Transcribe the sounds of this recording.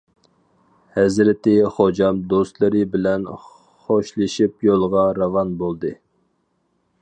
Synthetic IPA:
hɛzɾɪt̪ɪχod͡ʒɑmd̪ost̪lˠɨɾɨbɪlɛn | χoʃlˠɨʃipjolˠʁɑɾɑvɑnbolˠd̪ɨ

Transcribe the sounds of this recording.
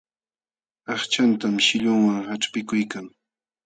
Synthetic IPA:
ɑχt͡ʃant̪amʃɪʎʊŋwaŋhaʈ͡ʂpɪkʊjkaŋ

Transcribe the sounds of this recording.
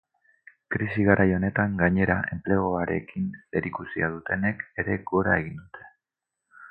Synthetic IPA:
kɾisiɣ̞aɾʔajo̞ne̞t̪aŋɡaɲe̞ɾaʔe̞̰mple̞ɣ̞o̞aɾe̞̰kine̞ɾikusiað̞ut̪e̞ne̞ke̞ɾe̞ɡoɾae̞ɣ̞ind̪ut̪ʰe̞̥

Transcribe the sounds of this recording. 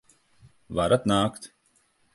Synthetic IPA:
ʋaːɾɐt̪naːkt̪

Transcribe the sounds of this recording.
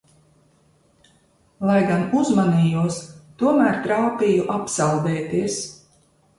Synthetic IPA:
lˠajɡanuzmaniːjuɔst̪uɔmæːɾt̪ɾawpijuʔapsawd̪ɛːt̪iɛs

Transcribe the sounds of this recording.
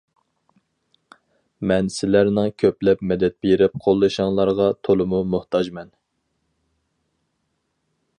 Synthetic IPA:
mɛnsɪlæɾnɪŋkʲʰøplɛpmɛd̪ɛt̪̚beɾɪp̚qʰolˠːɨʃɑŋlˠɑɾʁɑt̪ʰolˠɨmumʊht̪ʰɑd͡ʒmɛn

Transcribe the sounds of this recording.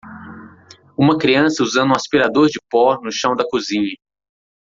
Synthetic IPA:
ũmɐkɾiɐ̃sɐuzɐ̃nd̪ũaspiɾad̪oɾd͡ʒɪpɔɾnʊʃɐ̃w̃d̪ɐkuzĩɲɐ

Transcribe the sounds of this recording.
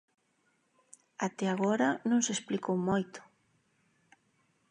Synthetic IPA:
at̪ɛaɣɔɾɐnõŋsesplikowmojt̪ʊ̥

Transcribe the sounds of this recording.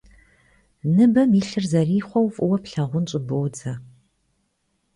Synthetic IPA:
nɨbɐmiɬɨrzɐriːχʷɔwfʼʊwɐpɬɐʁʷʊnt͡ʃʼɪboːd͡zʰɐ

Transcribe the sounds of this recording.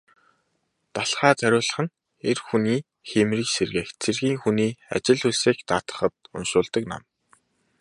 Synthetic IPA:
t̪aɮχaːt͡sʰæɾʲʊːɮə̆χɘ̆n | erxuniː | xemriːkserɣeːxt͡sʰerɣiːŋxuniːa̰t͡ɕɪ̆ɮuseːkt̪aːt̪ə̥̆χə̆t̪̚ʊ̰nʃʊːɮt̪ə̆kna̰m

